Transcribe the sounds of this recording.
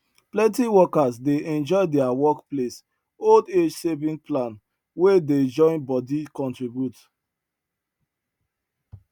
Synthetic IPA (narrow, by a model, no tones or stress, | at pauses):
plɛ̃ntiwɔkasdeʔɛ̃nd͡ʒɔɪdɛawɔkples | olded͡ʒsevĩŋplãn | weded͡ʒɔ̃ɪ̃nbɔdikɔ̃ntɹibjut